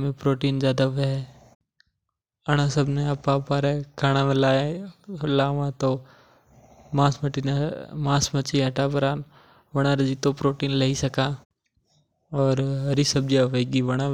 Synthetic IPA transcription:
mẽpɾoːʈiːnzjaːd̪aɦʊʋeɦɛ | ɐɽ̃asəbneapapaːɾɛkʰaːɽ̃amẽlaː | laːʋãt̪o | mãːsmɐʈinemãːsmɐt͡ʃiɐʈapɐɾaːn | ʋɐɽ̃aːɾd͡ʒit̪opɾoːʈiːnlɐɦisɐka | ɔːɾɦɐɾisɐb̚d͡ʒiaʋeɡiʋɐɽ̃a

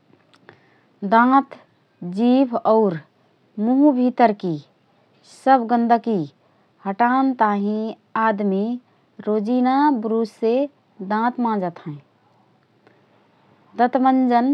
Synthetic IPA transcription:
d̪ãt̪ | d͡ʒibʱɔʊɾ | muɦubʱit̪əɾki | səbʱɡə̃nd̪əki | həʈant̪aɦĩ | ad̪mi | ɾod͡ʒinabɾuse | d̪ãt̪mãd͡ʒət̪ɦɛ̃ | d̪ət̪mənd͡ʒən

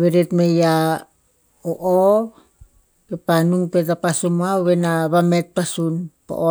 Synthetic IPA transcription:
βeɾetmeja | oʔo | kepanuŋpet̬apasumuawβenaβamet̚pasunpo̰ʔo

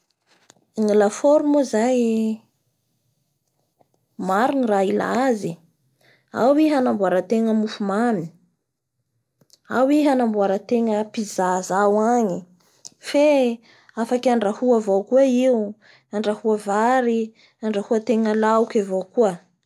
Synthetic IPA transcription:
ŋilafoɾumozaj | maɾuniraila̰azi | a̰wiɦanambuaɾat̪eŋəmufumami̥ | awiɦanambuaɾat̪eŋəpizazawaɲi | fe | afakaɳɖ͡ʐahuavowkuaiwu | aɳɖ͡ʐahuavaɾi | aɳɖ͡ʐahuət̪eŋəlaukavowkuə

